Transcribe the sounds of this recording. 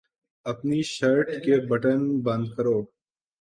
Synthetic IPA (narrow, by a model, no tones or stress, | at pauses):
ɐpniːʃɐɾʈkebɐʈənbə̃nd̪̚kəɾoː